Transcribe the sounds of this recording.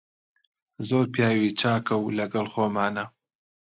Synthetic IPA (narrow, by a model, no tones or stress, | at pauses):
zoːɾpjaːwit͡ʃaːkɐwlɐɡɐlxoːmaːnɐ